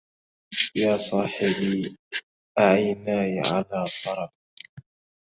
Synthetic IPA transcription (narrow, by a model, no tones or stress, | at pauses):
jaːsˤɑːħɪbiː | ʔaʕajnaːjʕa̰laːt̪ˤːɑɾˤɑf̚